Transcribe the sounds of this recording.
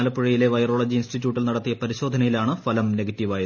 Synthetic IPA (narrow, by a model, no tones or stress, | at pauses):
lɐpːuɻijile̞ʋɐjro̞ːɭɐd͡ʑiinsʈit̬ʲːjuːʈːilnɐɽɐt̪ːijɐpɐɾiɕo̞ːd̪ʱɐnɐjilaːɳɨfɐlɐmne̞ɡɐtːiʋaːji